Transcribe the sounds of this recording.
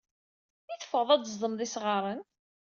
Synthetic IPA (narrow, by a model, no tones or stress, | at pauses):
θiθə̥fəðˤæd̪zðˤəmðˤisʁɑɾˤən